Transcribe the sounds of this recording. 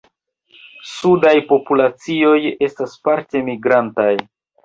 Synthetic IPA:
sudajpo̞pulat͡sio̞je̞staspaɾte̞miɡɾantaj

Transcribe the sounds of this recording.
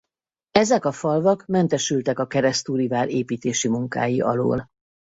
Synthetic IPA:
ɛzɛkɒfɒlvɒkmɛnt̪ɛʃylt̪ɛkɒkɛɾɛst̪uːɾivaːɾeːpiːt̪eːʃimuŋka̰ːjiʔɒ̰lo̰ːl

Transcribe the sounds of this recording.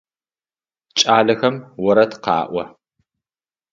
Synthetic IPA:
t͡ʃʼaːlɐxɐmwɔɾɐtʰqɑ̰ːʔʷɔ

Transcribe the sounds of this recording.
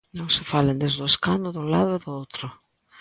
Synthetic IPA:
nõŋsɪfalend̪ezðʊeskand̪ʊðuŋlaðʊɛðʊowt̪ɾʊ

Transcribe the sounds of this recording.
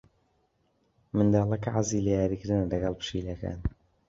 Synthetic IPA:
mɨnd̪ɑːlˠɐkɐʕazilejaːɾiːkɪɾɨnɐlɐɡɐlˠpɨ̥ʃiːlɐka̰ːn

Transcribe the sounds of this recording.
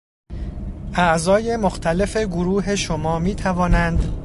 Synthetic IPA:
ʔæʔzɒːje̞moxt̪ʰæle̞fe̞ɡoɾuːɦe̞ʃomɒːmiːt̪ʰævɒːnænd̪

